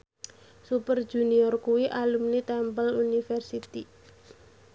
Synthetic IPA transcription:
supərd̥ʒ̥uniɔrkuwiʔalumnit̪ɛmpəlunifɛrsit̪i

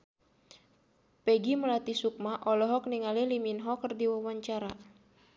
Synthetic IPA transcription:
pɛɡiməlat̪isuk̚maʔɔlɔɦɔk̚niŋaliliminɦɔkərdiwawaɲt͡ʃaɾa

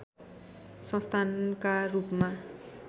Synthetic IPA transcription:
sʌ̃st̪ʰankarupma

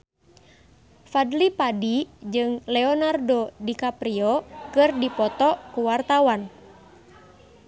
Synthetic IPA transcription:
fadlipadid͡ʒɨŋlɛɔnardodikapɾiɔkɨrdipɔt̪ɔkuwart̪awan

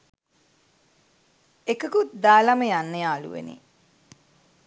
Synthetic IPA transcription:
ekəkut̪̚d̪aːlaməjanːəjaːlṵʋḛnḭ

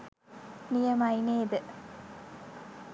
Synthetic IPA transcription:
nijɐmɐineːd̪ə

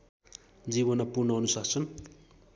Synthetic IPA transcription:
d͡ziβʌnʌpurnʌʌnusasʰʌn

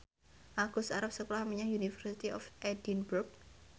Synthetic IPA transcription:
ʔaɡ̥ʊsaɾap̚səkolahmiɲaunifərsit̪iɔ̰fʔɛdinburk̚

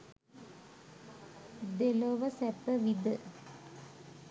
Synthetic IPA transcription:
d̪eloʋəsɛpːəʋid̪ə

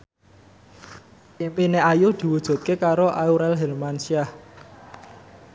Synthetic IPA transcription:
impineajud̪̥i̤wud̥ʒ̥ṳt̪̚kekaɾoʔauɾɛlɦɛlmansiah

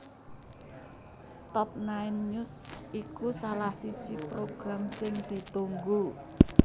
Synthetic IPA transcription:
t̪ɔp̚naɪnʊsikusalahsid̥ʒ̥i̤pɾoɡ̥ɾamsɪŋd̪̥i̤t̪uŋɡu

